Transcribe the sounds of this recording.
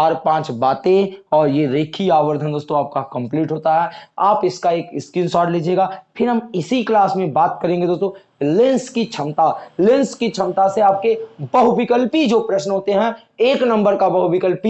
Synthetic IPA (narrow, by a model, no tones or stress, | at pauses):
aːɾpãːt͡ʃbaːt̪ẽɔːɾjeɾeːkʰiaːʋəɾd̪ʱənd̪oːst̪õaːp̚kakɐ̃mpliːʈɦoːt̪aɦɛːaːpɪskaeːkɪskɪnsɔːɾɖleːd͡ʒieːɡaːpʰɪɾɦɐmɪsiklaːsmẽbaːt̪kɐɾẽːŋɡed̪oːst̪õ | lɪ̃nskit͡ʃʰɐmt̪alɪ̃nskit͡ʃʰɐmt̪aseaːp̚kebɐɦʊbɪkəlpid͡ʒopɾɛʃnɦoːt̪eɦɛ̃ | eːknɐ̃mbəɾkabɐɦubɪkəlpi